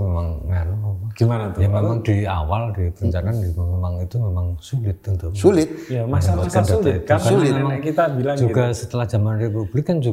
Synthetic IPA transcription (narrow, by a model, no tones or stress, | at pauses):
memaŋŋaɾumemaɡ̥imanat̪jaŋmmemaŋdia̰waldipəɾəɲt͡ʃanandimmemaŋit̪umemaŋsulɪt̪̚unt̪uksulɪt̪̚jamasaaaasandaulɪakaimemaŋakit̪abilaŋd͡ʒuɡasət̪əlahd͡ʒ̥a̤manrepublɪkːand͡ʒu